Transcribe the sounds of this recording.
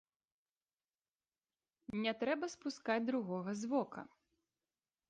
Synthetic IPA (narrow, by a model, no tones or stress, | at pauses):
nʲɛt̪ɾɛbɐspuskad͡zʲd̪ɾuɣɔɣɐzvɔkɐ̰